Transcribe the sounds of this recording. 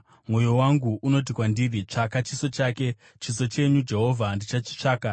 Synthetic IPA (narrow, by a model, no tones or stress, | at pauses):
mwo̞jo̞waŋɡuʔuno̞t̬ikwandirit͡ʂakat͡ʃiso̞t͡ʃaːke̞ | t͡ʃiso̞t͡ʃe̞ɲud͡ʒe̞ɦovʱandit͡ʃat͡ʃi̥t͡ʂaːka